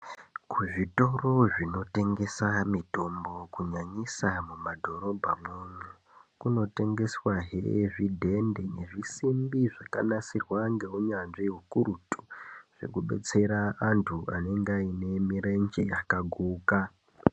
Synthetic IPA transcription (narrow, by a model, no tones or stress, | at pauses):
kuʐito̞ro̞ʐino̞te̞ŋɡe̞samito̞mbo̞kuɲaɲisamumadʱo̞ɾo̞bʱamwuɲu | kuno̞te̞ŋɡe̞swaɦeʐidʱe̞nde̞ne̞ʐisimbiʐaka̰nasirwaŋɡe̞uɲanʐiɦukuɾutu̥ʐ̥e̞̰kuɓe̞̰t͡se̞ɾaːntʰuʔane̞ŋɡaine̞miɾend͡ʒeakaɡʱuːka